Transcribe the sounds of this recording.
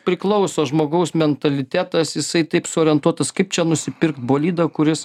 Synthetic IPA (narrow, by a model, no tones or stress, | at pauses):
pʲɾʲɪklˠɐʊsoːʒmoːɡɐʊsmʲɛnt̪ɐlʲɪt̪ʲæːt̪ɐsjɪsɐɪt̪ɐɪpsʊoːɾʲiɛnt̪uɔt̪ɐskɐɪp̚t͡ʃʲɛnʊsʲɪpʲɪɾkt̪̚boːlʲiːd̪ɐkʊɾʲɪs